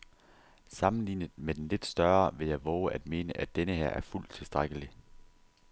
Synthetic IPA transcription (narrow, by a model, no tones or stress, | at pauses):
sɑ̈mn̩lḭːnð̩ˠmed̥enle̝d̥sd̥ɶɐʋe̝jɑ̈ɪʋɒʊʔæd̥̚me̝ːnəʔæd̥enəɦeɐ̰æɐful̰d̥t͡sʰe̝lsd̥ʁaɡ̥əli